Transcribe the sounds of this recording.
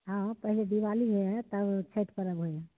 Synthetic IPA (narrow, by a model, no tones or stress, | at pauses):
ɦãpəɦiled̪iʋaliɦot̪əbt͡ʃʰəʈkəɾəbɦojã